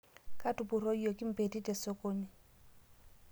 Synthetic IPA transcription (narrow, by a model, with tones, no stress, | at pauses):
ka˦tu˨pu˨ɾo˦jo˨ki˦m̩˨pe˨ti˦tɛ˨so˦ko˦ni˦